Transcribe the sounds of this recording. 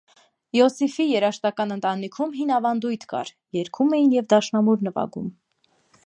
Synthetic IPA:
jɔsifijɛɾɑʃt̪ɑkɑnənt̪ɑnikʰumɦinɑvɑnd̪ujt̪ʰkɑ̰ɾ | jɛɾkʰumɛjinjɛvd̪ɑʃnɑmuɾnəvɑ̰ɡṵm

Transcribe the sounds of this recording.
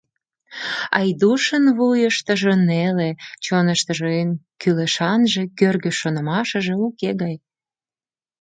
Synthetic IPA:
ɑjd̪uʃənβujəʃt̪əʒənelet͡ɕonəʃt̪əʒeenkyleʃɑnʒekørɣøʃonəmɑʃəʒeukeɣɑj

